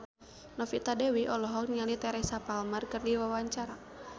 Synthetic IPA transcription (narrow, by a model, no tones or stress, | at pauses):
nɔfit̪adɛwiʔɔlɔɦɔkɲalit̪ɛɾɛsapalmərkərdiwawaɲt͡ʃaɾa